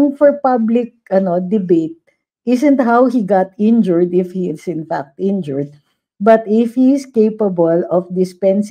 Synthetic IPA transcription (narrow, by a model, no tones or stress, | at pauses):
ŋfɔɹpablɪk̚ʔɐnod̪ɪbet̪̚ | ʔɪsɛ̃nt̪ɦawhiɡat̪ɪ̃nd͡ʒɔɹd̪ɪfhiɪsɪ̃nfak̚t̪ɪ̃nd͡ʒɔɹd̪̚ | bɐt̪ɪfhiɪskejpɐbɔlɔfd̪ɪspɛ̃ns